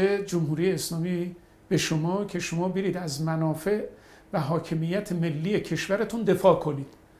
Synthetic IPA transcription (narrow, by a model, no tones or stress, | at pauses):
ed͡ʒomhuːɾiːjeːslɒːmi | b̥e̞ʃomɒːcʰe̞ʃo̞mɒːbeɾiːd̪æzmænɒːfe̞ʔ | væɦɒːcʰe̞mijːæt̪ʰeme̞lːiːjecʰe̞ʃvæɾet̪ʰund̪e̞fɒːkʰo̞niːd̪̥